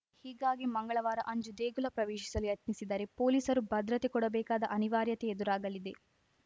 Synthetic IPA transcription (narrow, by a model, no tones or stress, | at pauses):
hiːɡaːɡimɐŋɡɐɭɐʋaːɾɐʔɐɲd͡ʒud̪eːɡulɐpɾɐʋeːʃi̥sɐliɐt̪nisid̪ɐɾe̞po̞ːliːsɐɾubɐd̪ɾɐt̪ekɔɽɐbɛːkaːd̪ɐʔɐniʋaːɾjɐt̪e̞ed̪uɾaːɡɐlid̪e̞